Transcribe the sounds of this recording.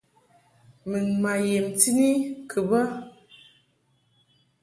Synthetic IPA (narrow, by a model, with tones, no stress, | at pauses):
mɨ˨nma˨je˨mti˦ni˦kʰɨ˨bə˦